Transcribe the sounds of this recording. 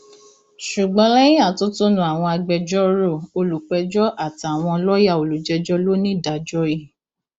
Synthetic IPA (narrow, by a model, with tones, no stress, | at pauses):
ʃu˨ɡ͡bɔ̃˨˧˦lɛ˦j̃a˦˨to˦to˦nũ˦a˨w̃ɔ̃˧a˧ɡ͡bɛ˧d͡ʒɔ˦ɾo˦˨o˧lu˨k͡pɛ˧d͡ʒɔ˦ʔa˦˨ta˨w̃ɔ̃˧lɔ˦ja˦˨o˨lu˨˦d͡ʒɛ˧˦d͡ʒɔ˦lo˦nĩ˦˨da˨d͡ʒɔ˦i˦˨